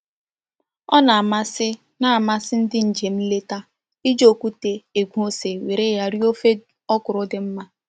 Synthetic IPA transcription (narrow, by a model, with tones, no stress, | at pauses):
ɔ˦na˨a˨ma˦sɪ˦ | na˦a˨ma˦sɪ˦n̩˦dɪ˦n̩˨d͡ʒe˨m̩˦le˦ta˦ | i˦d͡ʒo˨ku˦te˨e˨ɡʷu˦o˦se˨wi˨ɾɪ˦ja˦ɾi˦o˦fe˦ | ɔ˦kʊ˨ɾʊ˦dɪ˨m̩˦ma˦